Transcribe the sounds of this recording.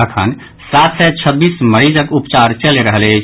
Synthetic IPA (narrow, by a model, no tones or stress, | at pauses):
əkʰə̰n | sat̪sɛt͡ʃʰəbːisməɾid͡ʒəkupt͡ʃaɾt͡ʃəleɾəɦəlɛt͡ʃʰ